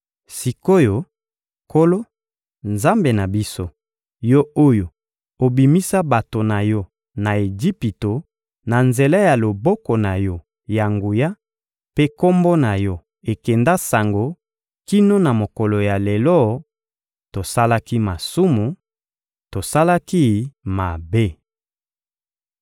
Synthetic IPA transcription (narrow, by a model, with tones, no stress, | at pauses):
si˨ko˦jo˨ | ko˦lo˦ | nza˦mbe˨na˨bi˦so˦ | jɔ˦o˦jo˨ | o˨bi˨mi˦sa˦ba˨to˨na˨jɔ˦ | na˨e˨d͡ʒi˦pi˨to˨ | na˨nze˨la˦ja˨lo˨bɔ˦kɔ˨na˨jɔ˦ | ja˨ŋɡu˨ja˦ | pe˦ko˦mbo˦na˨jɔ˦ | e˨kɛ˨nda˦sa˨ŋɡo˨ | ki˦no˦na˨mo˨kɔ˨lo˨ja˨le˨lɔ˦ | to˨sa˦la˦ki˦ma˨su˦mu˨ | to˨sa˦la˦ki˦ma˨be˦